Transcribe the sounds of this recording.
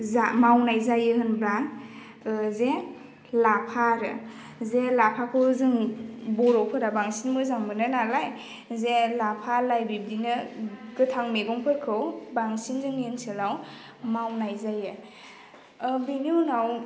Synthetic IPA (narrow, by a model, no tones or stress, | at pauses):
zamawnajzajɯɦɯnbɾa | ze | lapʰaɾɯ̰ | zelapʰakʰɯzɯŋbɔɾɔwpʰɯɾabaŋsinmɯzaŋbɯnɯnalaj | zelapʰalajbib̚dinɯkɯtʰaŋmeɡɔŋpʰɯɾkʰɯwbaŋsinzɯŋensɯlaw | mawnajzajɯ | biniunaw